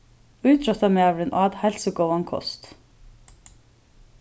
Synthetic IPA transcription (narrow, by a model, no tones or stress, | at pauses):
ʉːt̪ʰɾœt̪ɑmeːɛʋəɖənʔɑːd̪hɛlsəɡoːɑŋkʰɔ̰st̪